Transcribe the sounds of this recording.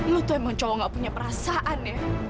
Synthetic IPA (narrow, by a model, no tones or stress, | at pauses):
mət̪oemaŋt͡ʃɔwɔŋɡaʔpuɲapəɾasaʔane